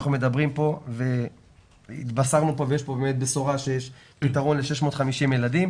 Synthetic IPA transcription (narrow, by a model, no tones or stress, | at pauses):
χnumed̪abʁimpo̞ve | ḭt̪basaʁnupovejeʃpobemet̪beso̞ʁaʃejeʃpit̪aʁo̞nle̞ʃeʃmo̞ːt̪χamiʃimjeladim